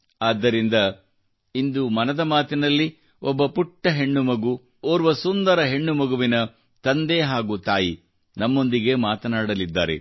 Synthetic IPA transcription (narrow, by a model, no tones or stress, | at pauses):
aːd̪ːɐɾind̪ɐ | ind̪umɐnɐd̪ɐmaːt̪inɐlːi | ɔbːɐpuʈːɐɦe̞ɳːumɐɡu | oːɾuʋɐsund̪ɐɾɐɦe̞ɳːumɐɡuʋinɐ | t̪ɐnd̪eɦaːɡut̪aːji | nɐmːo̞nd̪iɡe̞maːt̪ɐnaːɽɐlid̪ːa̰ːɾḛ